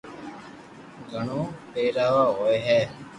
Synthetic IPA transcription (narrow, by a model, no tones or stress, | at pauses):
ɡɐɳuːpeːɾaːʋaːoeɦɛː